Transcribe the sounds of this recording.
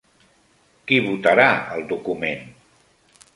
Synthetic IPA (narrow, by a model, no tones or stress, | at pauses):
kiβut̪əɾaəlˠd̪ukumen